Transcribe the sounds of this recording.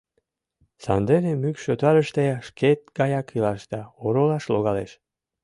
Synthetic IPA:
sɑnd̪eɾemykʃøt̪ɑɾəʃt̪eʃket̪̚ɡɑjɑkilɑʃd̪ɑoɾolˠɑʃloɣɑleʃ

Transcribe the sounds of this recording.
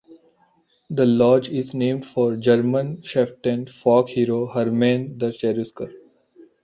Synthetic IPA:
d̪əlɔːd͡ʒɪznẽːmɖfɔːɾd͡ʒəɾmə̃nʃɛfʈɛ̃nfɔːkhiːɾoːhəɾmẽːnd̪ət͡ʃɛːɾɪskəɾ

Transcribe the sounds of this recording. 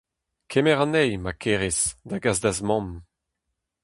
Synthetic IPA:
kʰɛmɛʁɑ̃nɛjmakʰeʁesd̪aɡazd̪azmɔ̃m

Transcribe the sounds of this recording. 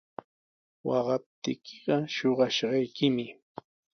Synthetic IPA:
wɑɢɑp̚t̪ɪ̰kʰɪɢɑʃoɢɑʃɢɑjkɪmɪ

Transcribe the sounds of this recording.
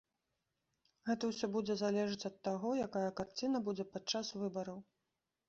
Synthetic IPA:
ɣɛt̪ɐwsʲɔbud͡zʲɛzalʲɛʐɨt͡sʲɐt̪ːaɣɔjakajɐkart͡sʲinɐbud͡zʲɛpat̪t͡ʂasvɨbɐɾɐw

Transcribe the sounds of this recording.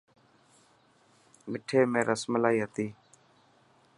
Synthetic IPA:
mɪʈʰeːmẽːɾʔəsməlaːiːɦət̪iː

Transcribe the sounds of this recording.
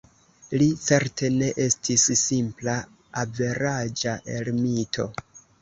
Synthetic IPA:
lit͡se̞ɾtʰe̞ne̞ʔe̞stʰisːimpla | ave̞ɾad͡ʒaʔe̞lmitʰo̞̰

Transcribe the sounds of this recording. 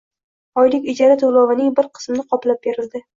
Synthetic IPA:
ɒjlɪkʲɪd͡ʒaɾat̪ʰolˠɒvɪnɪŋbɪɾqʰɨ̥smnɪqʰɒplap̚beɾɪld̪ɪ

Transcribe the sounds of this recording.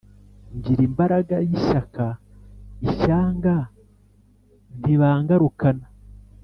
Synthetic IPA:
ɲɟiɾimbaɾaɡajiçaka | içaːŋɡa | n̥iβaːŋɡaɾukana

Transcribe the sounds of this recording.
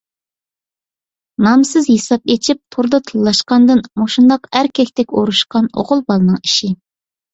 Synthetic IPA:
nɑmsɨzɦesɑp̚et͡ʃʰip̚t̪ʰoɾd̪ɑt̪ʰɨlˠːɑʃqɑnd̪ɨnmoʃund̪ɑqæɾkʲʰɛkʲt̪ʰɛkʲoɾuʃqɑno̰ʁʊlˠbɑlˠɨnɨŋi̥ʃi

